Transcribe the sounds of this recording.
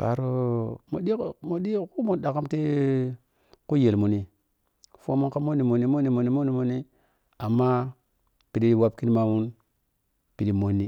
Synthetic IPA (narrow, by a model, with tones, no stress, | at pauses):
pa̰˨ɾo˦mo̰˨ɗi˦˨mo˨ɗi˦ku˦mu˨da˨ka˦mti˦ | ku˦je˨lmu˨ni˨ | fu˦a˦mu˦nka˦mo˦nːi˨mo˨ni˦mo˦nːi˨mo˨nːi˦mo˦ni˨mo˨ni˦ | a˨mːa˦ | pi˨di˦di˦wa˦pki˦n˦ma˦mu˦n | pi˨di˦mo˦nːi˦